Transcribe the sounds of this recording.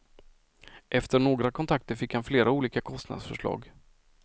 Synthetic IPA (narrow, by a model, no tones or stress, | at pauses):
ʔɛft̪əɳoːɡɾakʰɔnt̪ʰak̚t̪əɾfɪkhanfleːɾauːliːkakʰɔst̪na̰d̪sfœʂɭɑ̰ːɡ